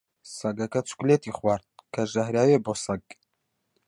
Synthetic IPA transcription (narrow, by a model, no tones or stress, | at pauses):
sɐɡɐkɐt͡sʰu̥kleːt̪iχwaːɾt̪̚kʰɐʒɐhɾaːweboːsɐɡ